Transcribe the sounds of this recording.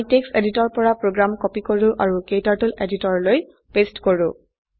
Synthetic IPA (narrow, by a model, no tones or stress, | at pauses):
tekseditɔɹpɔɹapɹoɡɹamkɔpikoɹʊ̃ʔaɹukejtaɹtuleditɔɹloj | pestkoɹʊ̰̃